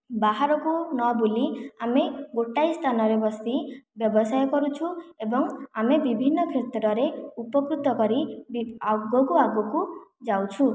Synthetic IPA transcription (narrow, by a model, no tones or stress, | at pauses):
baɦaɾɔkunɔbuliameɡoʈajst̪ʰanɔɾebɔst̪ibjɔbɔsajɔkɔɾut͡ʃʰuebɔŋamebibʱinːɔkʰet̪ɾɔɾeupɔkɾut̪ɔkɔɾi | ɡɔkuaɡɔkud͡ʒawt͡ʃʰu